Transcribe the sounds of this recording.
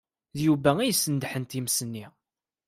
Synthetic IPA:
ðjuvæijsənd̪ħənt̪imsənːi

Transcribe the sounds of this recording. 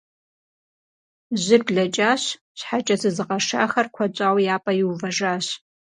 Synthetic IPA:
ʑʷɪrbɮɐt͡ʃʼaːɕ | ɕħat͡ʃʼɐzʰɨzɨʁɐʂa̰ːxɐrkʷʰɐt͡ʃʷʼaːwjaːpʼɐjɪwvɐʐaːɕ

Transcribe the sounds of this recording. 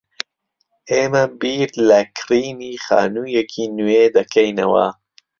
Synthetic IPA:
eːmɐbiːɾlɐkʰɾiːnixa̰ːnuːjekʰinued̪ɐkʰɐjnɐ̰wɐ̰

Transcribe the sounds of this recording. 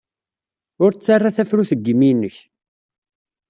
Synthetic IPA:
ʊɾt͡sːarˤːaθæfɾuθəɡːəmːinəç

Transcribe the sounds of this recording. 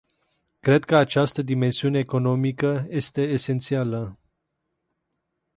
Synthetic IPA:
kɾe̞d̪̚kəat͡ʃast̪əd̪ime̞nsiune̞ːko̞no̞mikəje̞st̪e̞ːse̞nt̪sialə

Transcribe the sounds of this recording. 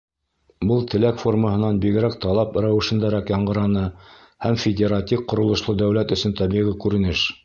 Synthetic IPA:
bɤlˠt̪ɘ̆lækfo̞rməhɤ̆nɑnbiɡɘ̆ɾæk̚t̪ɑlˠɑpɾæwɘ̆ʃɘ̆nd̪æɾækjɑɴɢɤ̆ɾɑnɤ | hæmfʲɪdʲeɾat̪ʲifqŏɾŏlˠŏʃlˠɤd̪æwlæt̪ɵ̆sɵnt̪ɑβiʁikʉɾɘ̆nɘʃ

